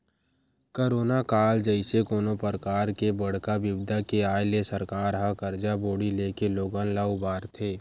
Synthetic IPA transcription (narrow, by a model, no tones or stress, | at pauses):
koːɾoːnakaːld͡ʒəɪsekoːnopəɾkaːɾkebəɽ̤kaʋɪbd̪ʱakeaːjlesəɾkaːɾɦãkəɾd͡ʒaboːɽileːkeloːɡanlaːʊbaːɾt̪ʰeː